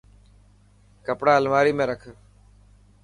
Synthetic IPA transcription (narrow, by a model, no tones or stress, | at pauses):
kəpɽaːəlmaːɾiːmẽːɾəkʰː